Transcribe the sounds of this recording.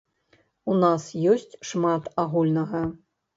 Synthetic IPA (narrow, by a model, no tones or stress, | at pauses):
unasjɔsʲt͡sʲʂmat̪aɣulʲnɐɣɐ